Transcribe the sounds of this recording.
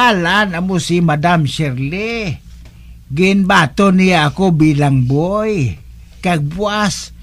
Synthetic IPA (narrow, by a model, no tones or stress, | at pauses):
alanamusimadamʃɛrli | ɡinbat̪oniaːkobilaŋboj | kaɡ̚buas